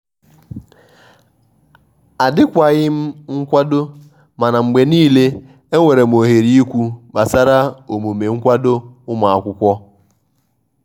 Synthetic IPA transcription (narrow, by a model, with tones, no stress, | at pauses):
a˨dɪ˦kʷa˨ɣɪ˦m̩˦ŋ̩˦kʷa˦do˦ | ma˨na˨ŋ͡m̩˨ɡ͡be˨niː˦le˦ | e˦ŋʷe˨ɾe˨m̩˨o˨ɦe˨ɾi˦i˦kʷu˦ba˨sa˦ɾa˦o˨mo˨me˨ŋ̩˦kʷa˦do˦ʊ˦ma˨a˨kʷʊ˦kʷɔ˦